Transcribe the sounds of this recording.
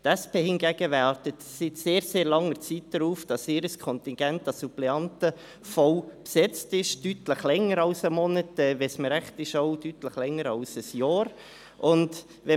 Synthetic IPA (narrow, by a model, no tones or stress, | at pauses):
tæspeːhɪnɡæɡ̥əʋærtətsɪt̪seːɾseːɾlɑŋəɾt͡sit̚d̥əɾuːfd̥ɑsɪɾəskʰɔnt̪ɪnɡ̥ɛntɑsuplɛɑntə | fɔʊpsɛt͡stɪʃtytləχlɛŋəɾɑlsəmɔnətɛʋɛsməɾæχtɪʃɔʊdytləχlɛŋːəɾɑlsəsjɑːɾ | ʔʊnd | ʋɛ